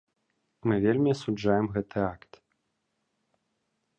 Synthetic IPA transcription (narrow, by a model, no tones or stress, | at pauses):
mɨvʲelʲmʲiɐsud͡ʐajɛmɣɛt̪ɨakt̪